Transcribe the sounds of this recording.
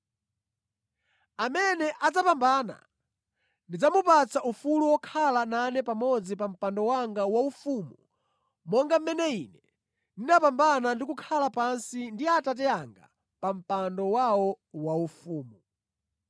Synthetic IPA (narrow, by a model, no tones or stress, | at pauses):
amɛnɛʔad͡zapambana̰ | ndid͡zamupat͡saʔufuluwɔkʰalananɛpamɔd͡zipam̩pandɔwaŋɡawaufumu | mɔŋɡam̩mɛnɛinɛ | ninapambanandikukʰalapansindiatat̬ɛaŋɡa̰ | pam̩pandɔwawɔ | waufuːmu